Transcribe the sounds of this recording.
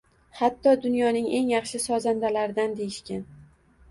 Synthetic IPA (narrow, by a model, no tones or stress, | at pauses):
hat̪ʰːɒd̪ʊnjɒnɪŋe̞ŋjɑχʃɪsɒzand̪alaɾɪd̪and̪e̞jɪʃkʲan